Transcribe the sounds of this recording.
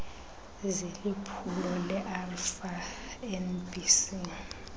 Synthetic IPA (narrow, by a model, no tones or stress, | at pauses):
zelipʰulɔlɛʔalfa | ɛnbʼisi